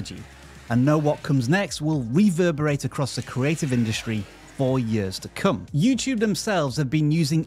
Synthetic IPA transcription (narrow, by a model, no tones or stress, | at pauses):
əd͡ʒḭ | ə̃nːoʊwɒt̚kʰʊ̃mznɛkst̚wɪlˠɹivɜːbəɹeɪtəkʰɹ̥ɒsðəkʰɹ̥ieɪtɪvɪ̃ndɨstɹ̥i | fɔːjɪəz̥tʰəkʰʊ̃mjʉːtʰʉːb̚ðə̃msɛlˠvz̥əvbĩnjʉːzɪ̃ŋ